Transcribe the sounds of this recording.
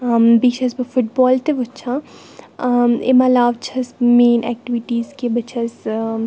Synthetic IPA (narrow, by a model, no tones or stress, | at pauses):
mbit͡ʃʰɐsbɐfʊʈ̚bɔːlt̪eʋut͡ʃʰã | ḛmãlaːʋt͡ʃʰɐsmeːnʔɛ̰ːk̚ʈiʋiʈiːzkebɐt͡ʃʰɐs